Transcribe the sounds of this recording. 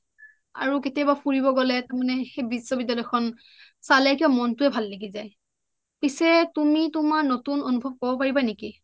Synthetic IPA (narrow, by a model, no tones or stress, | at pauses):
a̰ɹuketijabapʰuɹibɔɡɔlɛtamanɛxejbisːɔbidalɔkʰɔn | salɛkiamɔntʊɛbʱalːeɡizaj | pisɛtumitumaɹnotunonubʱɔb̚kɔbɔpaɹibaniki